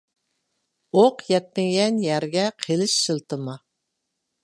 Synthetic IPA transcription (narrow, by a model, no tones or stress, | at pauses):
oqjɛt̪̚mɪŋjʲɛnjæɾɡʲɛqʰelɪʃːɨlˠt̪ɨmɑ